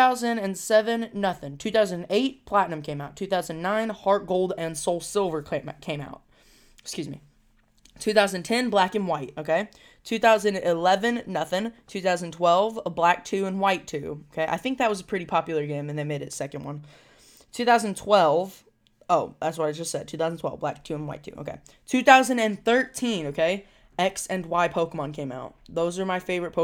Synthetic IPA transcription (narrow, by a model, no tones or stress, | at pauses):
aʊzɨ̃ndɨ̃nsɛvɨ̃nːʌθɪ̃ŋtʰʉθaʊzɨ̃nd̃neɪt̚pʰl̥æʔⁿnɨ̃mkʰẽɪ̃maʊtʰʉθaʊz̃nnãɪ̃nhɑɹt̚ɡ̥oʊlˠdɨ̃nsoʊlˠsɪlˠvə˞kʰɛkʰẽɪ̃ma̰ʊt̚ | ɪ̥kskjʉzmḭ | tʰʉθaʊz̃nɨ̃ntʰɛ̃nblækɨ̃nwaɪt̚oʊkʰeɪ | tʰʉθaʊzɨ̃nɪlɛvɨ̃nːʌθɪ̃ŋtʰʉθaʊznn̩tʰw̥ɛlˠvəblæk̚tʰʉə̃nwaɪtʰʉoʊkʰeɪʔa̰ɪθɪ̃ŋk̚ðɨt̚wʌzəpʰɹ̥ɪɾipʰɑpjl̩ˠə˞ɡẽɪ̃mɨ̃nðeɪmeɪɾɨtsɛkɨ̃n̩dwʌ̰̃n | tʰʉθaʊz̃ndn̩tʰw̥ɛlˠv̥ | oʊðætswʌɾaɪd͡ʒʌstsɛd̚tʰʉθaʊzn̩tʰw̥ɛ̰lˠvblæ̰k̚tʰʉə̃nwa̰ɪtʰʉ̰ʔo̰ʊkḛɪ | tʰʉθaʊzɨ̃ndɨ̃nθɜ˞tʰĩnoʊkʰeɪ | ɛksɨ̃nwaɪpʰoʊkəmɑ̃nkʰẽɪ̃ma̰ʊt̪̚ðoʊzə˞maɪfeɪvə˞ɨt̚pʰoʊ